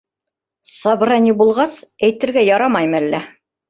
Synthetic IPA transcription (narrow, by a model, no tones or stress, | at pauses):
sɑbɤ̆ɾɑnʲibulˠʁɑsæjt̪ɘ̆ɾɡæjɑɾɑmɑjmælːæ